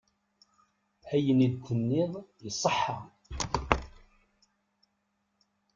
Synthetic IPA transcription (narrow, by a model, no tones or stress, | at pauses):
hæjənid̪kʷːənːɪðˤjəsˤːəħːa